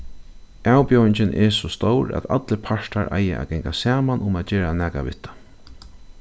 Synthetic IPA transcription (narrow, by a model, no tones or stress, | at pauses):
awpjowɪɲt͡ʃɪnʔɛsɔst̪owɾæ̰t̪a̰t̪ləpʰaʂt̪aɾʔa̰jɪ̰ʔa̰ɡɛŋkasaːmanʔʊmat̪t͡ʃeːɾanæːkaʋɪ̰t̪ːḁ